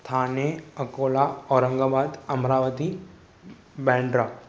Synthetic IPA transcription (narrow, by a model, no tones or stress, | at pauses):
t̪ʰaːneɐkoːlaɔːɾəŋɡaːbaːd̪ɐmɾaːʋət̪i | bɛ̃ːɳɖɾa